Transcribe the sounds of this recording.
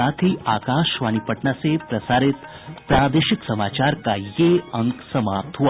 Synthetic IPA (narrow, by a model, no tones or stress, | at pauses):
at̪ʰiʔaːkaːʃʋaːnipəʈnasepɾəsaːɾɪt̪ | pɾaːd̪eʃɪksəmaːt͡ʃaːɾkajeəŋksəmaːp̚t̪ɦua